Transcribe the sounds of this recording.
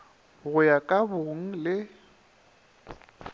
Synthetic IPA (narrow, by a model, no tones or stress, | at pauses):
ɣʊjakʼaboŋ̩lɪ